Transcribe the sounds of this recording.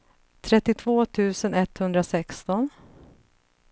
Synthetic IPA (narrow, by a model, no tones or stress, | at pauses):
t̪ʰɾɛt̪ːɪt̪ʰv̥oːt̪ʰʉ̟ːsənɛt̪ːhɵnd̪ɾasɛkst̪ɔn